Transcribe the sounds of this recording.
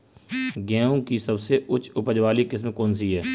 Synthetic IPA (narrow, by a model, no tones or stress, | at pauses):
ɡɛːõkisɐbseʔʊt͡ʃʰʊpəd͡ʒʋaːlikɪs̬mkɔːns̬iɦɛː